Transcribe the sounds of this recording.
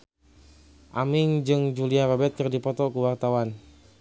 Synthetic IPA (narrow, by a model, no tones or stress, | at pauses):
ʔamɪŋd͡ʒɨŋd͡ʒuliaɾɔbɛt̪̚kɨrdipɔt̪ɔkuwart̪awan